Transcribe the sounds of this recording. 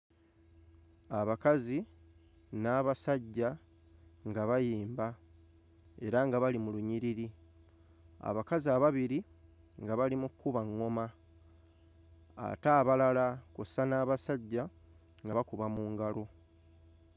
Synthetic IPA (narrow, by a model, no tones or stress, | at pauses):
aβakazi | naːβasaɟːa | ŋɡaβajiːmba | e̞ɾaŋɡaβalimuluɲiɾiɾi | a̰βakaziaβaβiɾi | ŋɡaβalimukːuβaŋːo̞ma | a̰taːβalalakusanaːβasaɟːa | ŋɡaβakuβamuːŋɡalo̞